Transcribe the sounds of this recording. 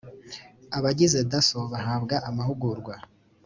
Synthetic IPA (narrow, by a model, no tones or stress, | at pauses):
aβaɟize̞dasoβaɦaːbɡaʔamahuɡuɾɡwa